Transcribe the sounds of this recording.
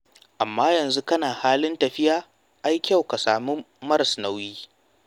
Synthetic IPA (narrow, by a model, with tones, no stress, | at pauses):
ʔa˨mːaː˦jɐ˨nzu˦kɐ˦naː˨haː˦lɪ˦ntɐ˨ɸɪ˦jaː˦ | ʔa˦jkʲɐ˦˨wka˨saː˨muː˦ | mɐ˦ɾsnɐ˦wjiː˦